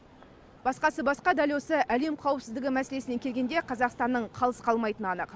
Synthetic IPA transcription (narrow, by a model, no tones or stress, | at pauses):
b̥ɑsqɑsəbɑsqɑd̪ɑlʲjosəʔæle̞mqʰɑwəpsɪzd̪ɪɡʲɪmæse̞le̞sɪne̞kʲʰelɡʲe̞nd̪e̞qʰɑzɑqst̪ɑnːəɴqʰɑlˠəsqʰɑlˠmɑjt̪ənɑnəq